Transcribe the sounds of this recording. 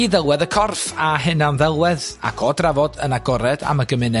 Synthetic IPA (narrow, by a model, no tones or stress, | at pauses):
iðɛlˠwɛðəkʰɔrfaɦɨnamðɛlˠwɛða̰kʰɔːdravɔdənaɡɔɾɛda̰məɡəmɪnɛ